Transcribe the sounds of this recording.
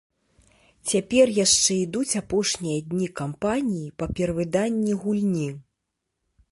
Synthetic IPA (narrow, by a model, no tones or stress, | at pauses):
t͡sʲapʲɛrjaʂt͡ʂɛid̪ut͡sʲapɔʂnʲijɐd̪ʲnʲikampanʲijipɐpʲɛɾɐvɨd̪anʲːiɣulʲnʲi